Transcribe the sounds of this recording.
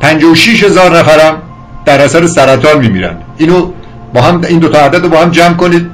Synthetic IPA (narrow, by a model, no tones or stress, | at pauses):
pʰænd͡ʒɒːwoʃiʃhe̞zɒːɾnæfæɾæm | d̪̥æɾæsæɾesæɾæt̪ʰɒːnmiːmḭːɾæ̰nd̪iːno | bɒːɦæmiːnd̪ot̪ʰɒːæd̪æd̪ɾobɒːhæmd͡ʒæmkoniːd̪̥̚